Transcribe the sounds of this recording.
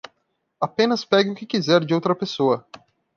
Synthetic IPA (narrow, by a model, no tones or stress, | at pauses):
apẽnɐspɛɡɪʊkɪkizɛɾd͡ʒɪowt̪ɾɐpesoɐ